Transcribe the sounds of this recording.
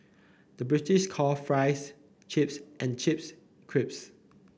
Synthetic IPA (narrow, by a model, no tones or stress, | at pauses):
d̥əbɹitɪʃkʰɔlfɹaɪs | t͡ʃʰɪpsʔɛ̃nt͡ʃʰɪp̚s | kʰɹɪp̚s